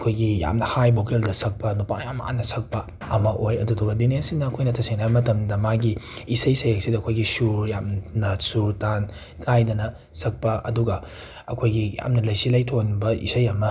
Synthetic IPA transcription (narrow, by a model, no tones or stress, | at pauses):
ɐkʰojɡija̰mnɐhajbokeldɐsɐk̚pɐnupa̰ŋjama̰nːɐsɐk̚pɐ | ɐmɐʔojɐduduɡɐdinesinɐːkʰojnɐtʰɐsiŋnabɐmɐtɐmdɐmaɡiisɐjsɐjak̚sidɐːkʰojɡisuɾjamnɐsuɾtan | kʰajdɐnɐ | sɐk̚pɐɐ̰duɡɐ | ɐkʰojɡija̰mnɐlɐjsilɐjtʰonbɐʔḭsɐjɐmɐ